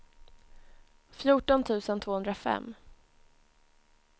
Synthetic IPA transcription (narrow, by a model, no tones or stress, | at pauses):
fjuːʈɔnt̪ʰʉ̟ːsənt̪ʰvoːɵnd̪ɾafɛ̰mː